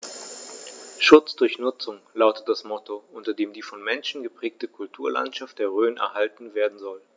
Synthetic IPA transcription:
ʃʊt͡sd̥ʊɐçnʊt͡sʊŋlaʊtə̥t̚d̥asmɔtʰoʔʊntɐdeːmdiːfɔnmɛnʃn̩ɡəpʁ̥ɛːk̚təkʰʊltʰuːɐlʔa̰ntʃaftd̥eːɐʁøːnɛ̰ɐhaltn̩veːɐdn̩zɔl

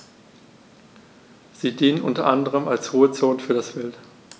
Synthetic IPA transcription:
z̥iːdiːnənʔʊntɐʔandəʁ̞əmalsʁ̥uːət͡soːnfyːɐdasv̥ɪlt

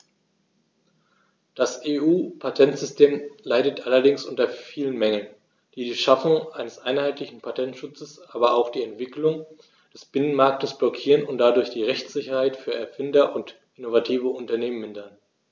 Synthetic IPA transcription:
d̥asʔeːʔuːpʰatʰɛntz̥ʏstʰeːmlaɪdətʔalɐdɪŋsʔʊntɐfiːlənmɛŋən | d̥iːdiːʃafʊŋʔaɪnəsʔaɪnhaɪtlɪçn̩pʰatʰɛntʃʊt͡səsʔaːbɐaʊxd̥iːɛntv̥ɪklʊŋ | d̥ɛsb̥ɪnənmaɐk̚təsb̥lɔkʰiːʁənʊnt̚d̥adʊɐçd̥iːʁɛçt͡sz̥ɪçɐhaɪtfyːɐɛɐfɪndɐʔʊnt | ʔɪnovatʰiːvəʊntɐneːmənmɪndɐn

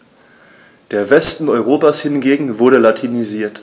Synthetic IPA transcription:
d̥eːɐvɛstn̩ɔʏʁ̞oːpashɪnɡeːɡŋ̩vʊɐɾəlatʰiniziːɐt

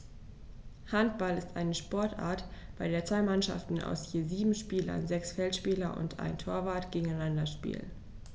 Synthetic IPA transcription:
hant̚b̥alɪstʔaɪnəʃpɔɐtʔa̰ːɐtb̥aɪɾeːɐt͡sv̥aɪmanʃa̰ftn̩a̰ʊsjeːziːbm̩ʃpiːlɐ̰nzɛksfɛltʃpiːlɐʔʊ̰ntʔa̰ɪntʰoːɐvaːɐtɡ̥eːɡŋ̩aɪnandɐʃpḭːl

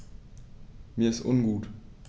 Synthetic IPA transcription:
miːɐɪstʔʊnɡuːt

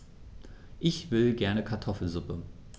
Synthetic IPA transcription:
ʔɪçv̥ɪlɡɛɐnəkʰaɐtʰɔfl̩zʊpə

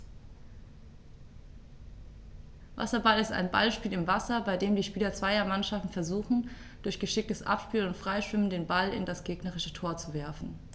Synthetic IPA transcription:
va̰sɐbalɪsta̰ɪnba̰lʃpiːlɪmvasɐbaɪdeːmdiːʃpiːlɐt͡sv̥aɪɐmanʃaftn̩fɛɐzuːxn̩ | d̥ʊɐçɡ̥əʃɪk̚təsʔa̰pʃpiːlnʊntfʁ̥aɪʃv̥ɪmən̩deːnbalɪ̰ndasɡ̥eːɡnəʁɪʃətʰoːɐt͡suvɛɐfn̩

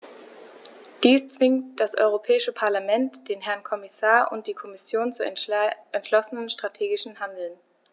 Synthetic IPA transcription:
d̥iːst͡sv̥ɪŋtd̥asʔɔ̰ʏʁ̞opʰɛːɪʃəpʰaɐlamɛntd̥eːnɦɛɐnkʰɔmɪsaːɐʔʊ̰nt̚d̥iːkʰɔmɪsjoːnt͡suʔɛntʃlɔsənənʃtʁ̥atʰeːɡɪʃn̩handl̩n

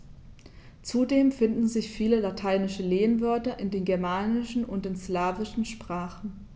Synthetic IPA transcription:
t͡sudeːmfɪndn̩zɪçfiːləlatʰaɪnɪʃəleːənvœɐtɐʔɪndeːnɡɛɐmaːnɪʃn̩ʊntɪnslaːvɪʃn̩ʃpʁ̥aːχn̩

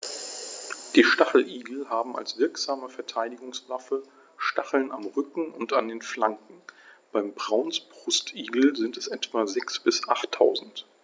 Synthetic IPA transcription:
d̥iːʃtaχl̩ʔiːɡl̩haːbm̩a̰lsv̥ɪɐkz̥aːməfɛɐtʰaɪdɪɡʊŋslafə | ʃtaχl̩namʁʏkŋ̩ʊntandeːnflaŋkŋ̩b̥aɪmbʁaʊnsb̥ʁʊstʰʔiːɡl̩zɪntɛsʔɛtv̥aːzɛksb̥ɪsʔaχtʰːaʊzn̩t

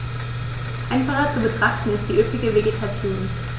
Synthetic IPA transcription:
ʔaɪnfaχɐt͡subətʁ̥aχtn̩ɪst̚d̥iːʔøːpɪɡəveɡetʰat͡sjoːn

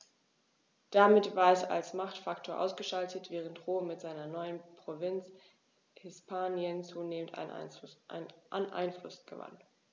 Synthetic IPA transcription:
d̥amɪtv̥aːɐɛsa̰lsmaχtfaktʰoːɐʔaʊsɡ̥əʃaltʰətv̥ɛːʁ̞əntʁoːmɪtz̥aɪnɐnɔʏənpʁ̥ovɪnt͡s | hɪspʰaːnjənt͡suːneːmənta̰n̰ | nʔanʔa̰ɪnflʊsɡ̥əva̰n

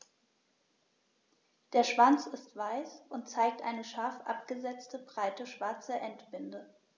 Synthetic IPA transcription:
d̥eːɐʃv̥ant͡sɪstv̥aɪsʔʊnt̚t͡saɪk̚tʔa̰ɪnəʃaɐfʔa̰p̚ɡ̥əzɛt͡stəbʁaɪtəʃv̥aɐt͡səʔɛntb̥ɪndə

